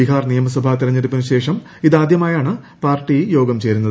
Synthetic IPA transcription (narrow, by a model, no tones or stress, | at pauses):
iɦaːrnijɐmɐs̬wɐbʱaːt̪iɾɐɲːɐɾipːɐnɨɕe̞ːʂɐm | iðaːd̪jɐmaːjaːɳɨ | paːrʈːijo̞ːɡɐmt͡ɕe̞ːɾunːɐð